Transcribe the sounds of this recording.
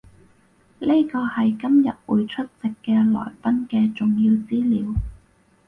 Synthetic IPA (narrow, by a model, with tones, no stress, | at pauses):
li˥jkɔː˧hɐ˨jkɐ˥mjɐ˨t̚wuː˨jt͡ʃʰɵ˥t̚t͡sɪ˨kːɛː˧lɔ̰ː˨˩jpɐ˥nkɛː˧t͡sʊ˨ŋjiː˧wt͡siː˥liː˨˧w